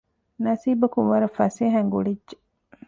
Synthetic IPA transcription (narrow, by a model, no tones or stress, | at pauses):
nɐsiːbɐkuʋɐɾɐfɐseːɦæŋɡuɽidʒe